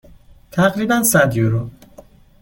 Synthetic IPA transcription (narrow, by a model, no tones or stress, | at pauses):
t̪ʰæɣɾiːbænsæd̪joɾo